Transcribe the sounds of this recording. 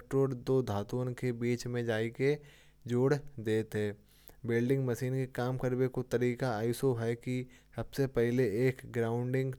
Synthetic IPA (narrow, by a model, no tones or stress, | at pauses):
ʈoːɾd̪oːd̪ʱaːt̪uənkebiːt͡ʃmẽd͡ʒaːike | d͡ʒoːɽd̪eːt̪ɦɛː | bɪlɖɪ̃ŋɡmɐsiːnkekaːmkəɾbekot̪ɐɾiːkaaːɪsoɦɛkisɐbsepɛɦleeːkɡɾaːʊ̃ɳɖɪ̃ŋɡ